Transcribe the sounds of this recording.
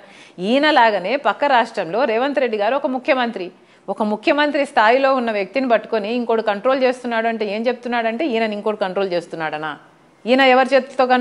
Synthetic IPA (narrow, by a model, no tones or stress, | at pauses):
iːnɐlaːɡɐne̞ːpɐkːɐɾaːʂʈɾɐmlo̞ːɾɛːʋɐnt̪ɾe̞ɖːiɡaːɾuɔkɐmukʰːjɐmɐnt̪ɾi | ɔkɐmukʰjɐmɐnt̪ɾist̪ʰaːjilo̞ːunːɐʋjɐk̚t̪inipɐʈːu̥koniːŋkoːɽukɐɳʈɾo̞ːlt͡ʃe̞ːst̪unːaːɽuɐɳʈe̞ːe̞ːmt͡ʃe̞b̚ut̪unːaːɽɐɳʈe̞ːiːnɐniŋkoːɽukɐɳʈɾoːlt͡ʃe̞ːst̪unːaːɽɐnaː | iːnɐɛʋɐɾit͡ʃet̪oːkɐn